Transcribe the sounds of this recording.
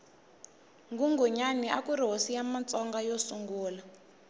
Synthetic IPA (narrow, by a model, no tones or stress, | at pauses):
ŋɡuŋɡuɲaniʔakuɾɦosijamat͡sɔŋɡajosuŋɡuːla